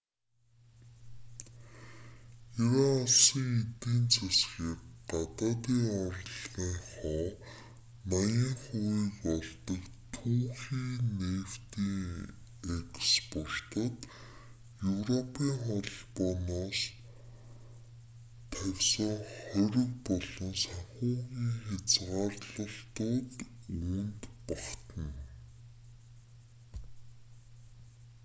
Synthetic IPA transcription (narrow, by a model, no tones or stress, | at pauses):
ewaaɮsĭŋet̪iːnt͡sʰesxiːkɢat̪aːt̪iːŋɔr̆ɮʁiːŋχɔː | najəŋχʊiːkpɔɮt̪ɞ̆kt̪ʰuːxiːneːw̥t̪iːŋ | ekspʊr̥t̪ə̆t̪ | jɵwrɔpʰiːŋχɔɮpɔnaːs | t̪ʰæwʲsə̆ŋχɔɾʲɪ̆kpɔɮɞ̆nsaχʊːɣʲiːŋxet͡sʁaːrɮə̆ɬt̪ʊːt̪unt̪paχt̪ə̆n